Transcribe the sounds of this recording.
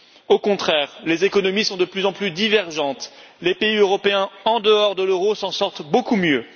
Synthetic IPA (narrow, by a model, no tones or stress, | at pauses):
okɔ̃t̪χɛːʁlezekɔnɔmisɔ̃d̪əplyzɑ̃plyd̪ivɛʁʒɑ̃t̪lepeiøʁɔpeɛ̃ɑ̃d̪əɔʁd̪əløʁosɑ̃sɔʁt̪bokumjø